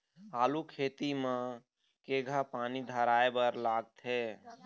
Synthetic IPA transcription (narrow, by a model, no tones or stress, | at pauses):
alukʰet̪imẽ | keɡʱapanid̪ʱəɾaebəɾlaɡ̚t̪ɦe